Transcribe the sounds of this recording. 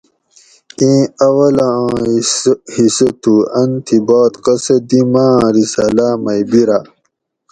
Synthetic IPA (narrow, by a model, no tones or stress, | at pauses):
ĩːɐwɐlã | hisɐt̪ʰuɐnt̪ʰibaːt̪qɐsɐd̪imãːɾisaːlamɐjbiɾa